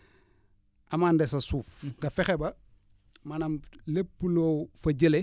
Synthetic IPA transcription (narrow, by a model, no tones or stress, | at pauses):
ɐmandesɐsuːfkɐfɛxebɐ | manɐmlepːuloːfɐɟəle